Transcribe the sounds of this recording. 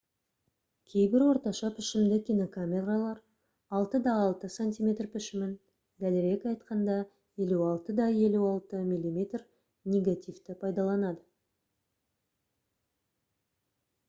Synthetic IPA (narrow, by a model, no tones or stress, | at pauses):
kʲʰejbɪɾwo̞ɾt̪ɑʃɑpʰɪʃɪmd̪ɪkʲʰijno̞kʰamʲe̞ralˠɑɾ | ɑlˠt̪əd̪ɑːlˠt̪əsonʲt̪ʲijmʲe̞t̪rpɪʃɪmɪn | d̪ælɪɾe̞kʲɑjt̪qɑnd̪ɑ | je̞luɑlˠt̪əd̪ɑje̞luɑlˠt̪əmʲilʲimʲe̞t̪r | nʲe̞ɡat̪ʲijft̪ɪpʰɑjd̪ɑlˠɑnɑd̪ə